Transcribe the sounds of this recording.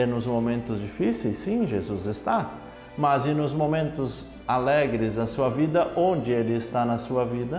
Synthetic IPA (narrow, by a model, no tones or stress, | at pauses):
ɛnʊzmomẽnt̪ʊzd͡ʒifisejsːĩʒezuzɪst̪a | mɐzɪnʊzmõmẽnt̪ʊz | alɛɡɾɪzɐsuɐvid̪ɐʔõnd͡ʒɪelɪɪst̪anɐsuɐvid̪ɐ